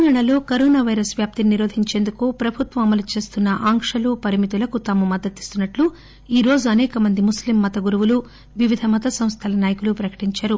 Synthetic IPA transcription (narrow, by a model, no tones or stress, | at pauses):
ɐŋaːɳɐlo̞ːkɐɾoːnaːʋɐjɾɐsʋjaːp̚t̪ininiɾo̞ːd̪ʱiɲt͡ʃe̞ːnd̪ukupɾɐbʱut̪ʋɐɐmɐlut͡ʃe̞ːst̪unːɐʔaːŋkʂɐlupɐɾimit̪ulɐkut̪ɐmumɐd̪ːɐt̪i̥st̪unːɐʈlu | iːɾo̞ːd͡ʒuɐnɛːkɐmɐnd̪imuslimːɐt̪ɐɡuɾuʋulu | ʋiʋid̪ʱɐmɐt̪ɐsɐmst̪ʰɐlɐnaːjɐkulupɾɐkɐ̥ʈiɲt͡ʃaːɾu